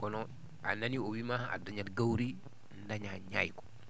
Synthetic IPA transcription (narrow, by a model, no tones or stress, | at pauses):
kɔnɔ | a̰naniowimaha̰daɲatɡawɾi | ndaɲaɲajkɔ̥